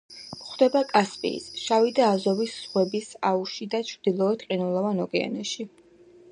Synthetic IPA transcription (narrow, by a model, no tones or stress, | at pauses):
χwd̪̥ɛbakʼaspʼḭːsʃavid̪aːzɔvisːʁwɛbisauʃid̪at͡ʃʰɾd̪̥ilˠɔɛt̪qʼinulˠɔvanɔɡɛa̰nɛʃi